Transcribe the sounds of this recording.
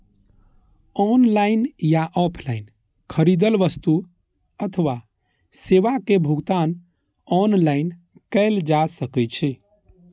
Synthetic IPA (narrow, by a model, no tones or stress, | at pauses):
ɔnlainjaʔɔpʰlain | kʰəɾid̪əlʋəst̪u | ət̪ʰəʋa | seʋakebʱuɡt̪an | ɔnlaɪn | kəɪld͡ʒasəkɛt͡ʃʰɛ